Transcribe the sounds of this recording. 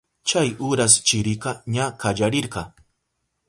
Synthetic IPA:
t͡ʃajʊɾas̬t͡ʃɪɾɪqɑɲakad͡ʒaɾɪɾɢɑ

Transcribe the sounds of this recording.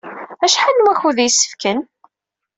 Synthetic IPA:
æʃħanːwæçuðjəsːə̥fkən

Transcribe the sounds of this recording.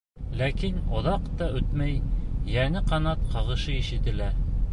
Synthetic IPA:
lækinŏðɑqt̪ɑɵt̪mæjjænɘqɑnɑt̪̚qɑʁɤ̆ʃɤiʃɘ̆t̪ɘ̆læɾ

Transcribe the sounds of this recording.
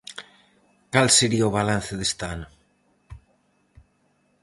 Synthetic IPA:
kalseɾiaoβalan̟θeðest̪an

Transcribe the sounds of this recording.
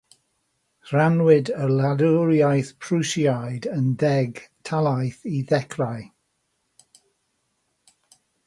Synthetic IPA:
ranwɪdəlaluɾjajθpʰrusjajdəndɛɡtʰalˠajθiðɛkʰraj

